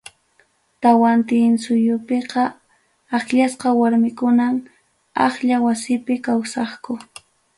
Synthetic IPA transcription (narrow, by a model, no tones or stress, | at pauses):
t̪awant̪ɪːnsʊjʊpeqɑ | aχʎasqɑwaɾmɪkʊnam | ɑχʎawasɪpɪkawsɑχkʊ